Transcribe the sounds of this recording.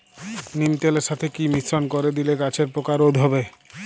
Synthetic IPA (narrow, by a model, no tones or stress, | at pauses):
nimt̪eleɾʃat̪ʰekimisɾonkoɾed̪ilekat͡ɕʰeɾpɾokaɾod̪ʱɦɔbe